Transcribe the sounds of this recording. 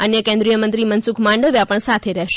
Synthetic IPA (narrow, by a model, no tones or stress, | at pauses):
ənjəkẽnd̪ɾijəmənt̪ɾimənsukʰmaɳɖəʋjapəɳsat̪ʰeɾɛɦʃ